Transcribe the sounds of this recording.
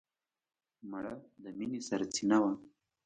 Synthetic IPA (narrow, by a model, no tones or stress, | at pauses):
maɽad̪əminisaɾat͡sinawa